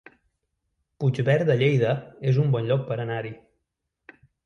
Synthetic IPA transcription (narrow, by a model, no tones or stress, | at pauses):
pud͡ʒβɛɾd̪əʎejðəezumbɔnʎɔk̚pəɾənaɾi